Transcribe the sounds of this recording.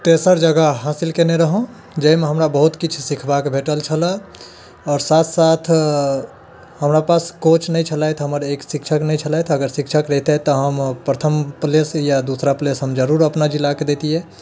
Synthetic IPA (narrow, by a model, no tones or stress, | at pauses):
t̪esəɾd͡ʒəɡəɦasilkeneɾəɦõ | d͡ʒəimeɦəmɾabəɦut̪kit͡ʃʰsikʰbakbʱeʈəlt͡ʃʰələ | ɔːɾsat̪ʰsat̪ʰ | həmɾapaskot͡ʃʰnəjt͡ʃʰəlajt̪ʰɦəməɾeksikʃʰəknəit͡ʃʰəlajt̪ʰəɡəɾsikʃʰəkɾɛɦt̪et̪ɔɦəmpɾət̪ʰəmplesjad̪usɾaplesɦəmd͡ʒəɾuɾəpnad͡ʒilːaked̪et̪iɦɛ